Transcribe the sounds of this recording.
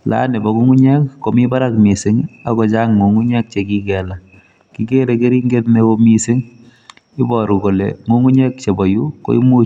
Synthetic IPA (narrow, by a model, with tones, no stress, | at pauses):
la̰ne˨bɔ˨ku˦ŋu˦ɲɛ˦kːo˨mi˦ba˦ɾakmi˨sɪ˨ŋa˨kɔ˨t͡ʃaŋːu˨ŋu˦ɲɛ˦k̚t͡ʃeki˦kɛla˨ | ki˦ke˦ɾeke˦ɾi˦ŋɡe˦tne˦o˧mi˦sɪ˦ŋ | ɪ˦bɔɾu˨ko˨lḛ˨ŋu˦ŋu˦ɲɛ˦k̚t͡ʃe˨bɔ˨ju˦ko̰˦ḭ˦mu˦